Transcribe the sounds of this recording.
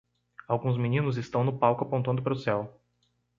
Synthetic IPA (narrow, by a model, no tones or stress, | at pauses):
awɡũzminĩnʊzɪst̪ɐ̃w̃nʊpawkʊapõnt̪ɐ̃nd̪ʊpaɾʊsɛw